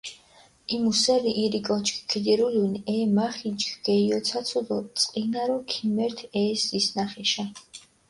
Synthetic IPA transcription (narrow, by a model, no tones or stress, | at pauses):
imusɛɾiʔːɾikʼɔt͡ʃʰʼkʰkʰid̪ɛɾulunɛːmaχit͡ʃkɡ̥ɛiɔt̪sʰat̪sʰulɔt̪sʼqʼinaɾɔkʰimɛɾt̪ʰɛːsisnaχɛʃa